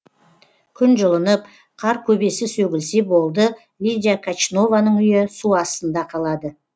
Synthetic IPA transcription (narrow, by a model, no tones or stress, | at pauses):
kʲʰʏnʒəlˠənəp | qʰɑɾkʲʰɵbe̞sɪsɵɡʲɪlsebo̞lˠd̪ə | vʲid̪ʲijakʰat͡ʃino̞vanəɴʏjesuɑst̪ənd̪ɑqʰɑlˠɑd̪ə